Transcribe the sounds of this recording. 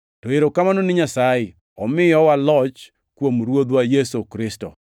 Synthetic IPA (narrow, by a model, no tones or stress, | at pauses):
tɔeɾokamanonɪɲasajɪ | ɔmɪjɔwalɔt͡ʃ | kwomɾwod̪wajesokɾɪstɔ̰